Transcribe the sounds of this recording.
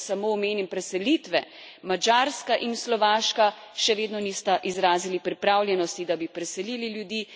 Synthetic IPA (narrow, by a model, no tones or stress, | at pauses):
samoːmeːnimpɾɛsɛlit̪ʋɛ | mad͡ʒaɾskaʔinslɔʋaːʃka | ʃɛʋeːd̪nɔnist̪aʔizɾaːzilipɾipɾaːwljɛnɔst̪id̪abipɾɛsɛlililjud̪iː